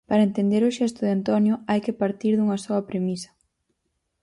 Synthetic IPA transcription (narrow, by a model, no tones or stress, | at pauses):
paɾɐent̪end̪eɾoʃɛst̪ʊðɪant̪ɔnjʊajkɪpaɾt̪iɾðuŋɐsɔɐpɾemisɐ̥